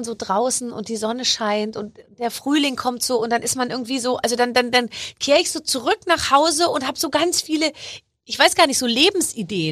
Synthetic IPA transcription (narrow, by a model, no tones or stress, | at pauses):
nzoːdʁaʊsn̩ʊ̰ntd̥iːzɔnəʃaɪntʊntd̥eːɐfʁ̥yːlɪŋkʰɔmtz̥oːʊnt̚d̥anɪstmanʔɪɐɡŋ̩tv̥iːzoːʔalzodandandankʰeːʁəɪçz̥oːt͡suʁʏknaːχhaʊzəʊnthaːbəzoːɡant͡sfiːlə | ʔɪçv̥aɪsɡ̥aːɐnɪçz̥oːleːbm̩sʔideːə